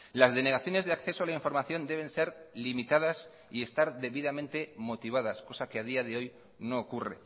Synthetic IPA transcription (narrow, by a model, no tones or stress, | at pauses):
lazðe̞ne̞ɣaθjo̞ne̞zðakθe̞soalaiɱfo̞ɾmaθjo̞nd̪e̞β̞e̞nse̞ɾlimit̪að̞as | ie̞st̪aɾðe̞βiðamẽnt̪e̞mo̞t̪iβ̞aðasko̞sakeað̞iaðe̞o̞j | no̞ːkure̞̰